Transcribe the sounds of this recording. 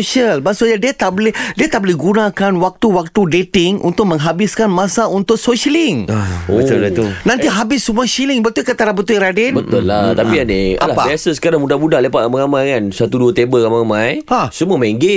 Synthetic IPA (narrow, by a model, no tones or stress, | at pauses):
oʃəlbasoɲadiət̪aʔbolɪdiət̪aʔbolɪhɡunãkanwak̚t̪uwak̚t̪udet̪ɪŋʔṵnt̪ʊʔ̚mə̃ŋɦabɪskanmãsaunt̪ʊʔsoʃəlɪŋaoəat̪unãnt̪iɦabɪsːumuəʃilɪŋbət̪ʊlkət̪aɾabət̪uiɾadɛnbət̪ʊlːat̪apianealapaasəsə̥kaɾaŋmudamudaʔlepaʔamaŋamãjkansat̪uduət̪ebəɾamaamãjasuməmẽŋɡe